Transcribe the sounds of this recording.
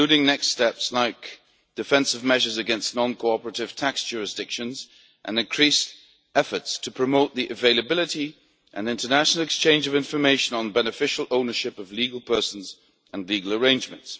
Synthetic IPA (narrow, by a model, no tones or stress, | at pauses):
ʉɾɪ̃ŋnɛksttɛpslaɪk̚ | d̥ɨfɛ̃nsʌvmɛʒə˞zɨɡɛ̃nstⁿnɑ̃nkʰoʊɑpə˞əɾɨv̥tʰæksd̥ʒ̥ʊɹɨsd̥ɪkʃɨ̃nz | ʔɨ̰̃nɨ̃nkʰɹ̥is | ɛfə˞tstʰəpʰɹ̥ɨmoʊt̪̚ðiʔɨveɪlˠəbɪlˠɨɾi | ʔɨ̰̃nɪ̃ntə˞næʃnl̩ˠɨkst͡ʃʰẽɪ̃nd͡ʒʌvɪ̃ɱfə˞meɪʃɨ̃nə̃n̩bɛnɨfɪʃl̩ˠõʊ̃nə˞ʃɪpʌvliɡl̩ˠpʰɜ˞sn̩z | ə̃nliɡəl̩ˠə˞ẽɪ̃nd͡ʒmɨ̃nts